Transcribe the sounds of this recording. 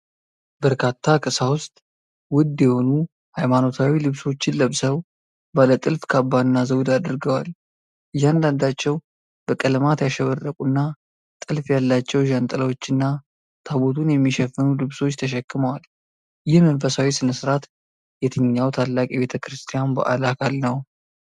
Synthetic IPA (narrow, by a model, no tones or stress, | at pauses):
bəɾkʰat̪ʰːakʼɨsawʊst̪ʼ | wʊd̪ːjɛho̞nu | hajmano̞t̪ʰawilɨβso̞t͡ʃːɪnləβsəw | balət̪ʼɨlfkʰabːaɨnːazəwd̪ad̪ɨɾɡəwal | ɨjːand̪and̪at͡ʃːɛw | b̥əkʼəlmat̪jaʃɛβərːəkʼunːa | t̪ʼɨlfjalːat͡ʃːɛwʒant̪ʼələwo̞t͡ʃːɨnːa | t̪ʰaβot̪ʰunjɛmːiʃɛfːɨnulɨβso̞t͡ʃːt̪ʰəʃ̬ɛkːɨməwal | jɪhmənfəsawisɨnəsɨɾat̪ | jɛt̪ʰɨɲːawt̪ʰalːakʼɛbe̞t̪ʰəkɾɨst̪ʰijanbə̰ʔa̰lakʰalnəw